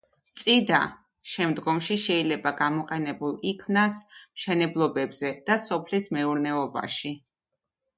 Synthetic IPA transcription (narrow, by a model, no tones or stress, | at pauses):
t̪sʼid̪a̰ | ʃɛmd̪ɡɔmʃiʃɛilɛbaɡamɔqʼɛnɛbulˠikʰmnasmʃɛnɛblˠɔbɛbz̥ɛd̪̥asɔpʰlismɛuɾnɛɔba̰ʃi